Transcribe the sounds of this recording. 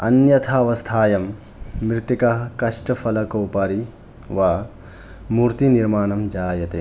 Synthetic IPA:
ɐnjɐt̪ʰaːʋɐst̪ʰaːjɐmː | ɾɪt̪ikɐɦɐkɐʂʈɐfʰɐlɐkɐwpɐɾi | ʋaː | muɾt̪iniɾmaːnɐmd͡ʒaːjɐt̪e

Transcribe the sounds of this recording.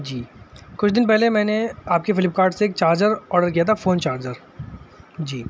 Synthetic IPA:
d͡ʒiːkʊt͡ʃʰd̪ɪnpɛɦlemɛ̃ːneaːp̚kefɪlɪp̚kaːɾɖseːk̚t͡ʃaːɾd͡ʒəɾɔːɾɖəɾkijat̪ʰafoːnt͡ʃaːɾd͡ʒəɾ | d͡ʒiː

